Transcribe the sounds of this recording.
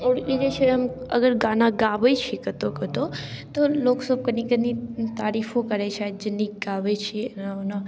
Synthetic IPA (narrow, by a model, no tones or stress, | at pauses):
oɽid͡ʒet͡ʃʰeəməɡəɾɡãːnaɡaːʋəjt͡ʃʰikət̪okət̪ot̪oloːksəb̚kənikənit̪aːɾifõkəɾet͡ʃʰad͡ʒenːiɡaʋet͡ʃʰinana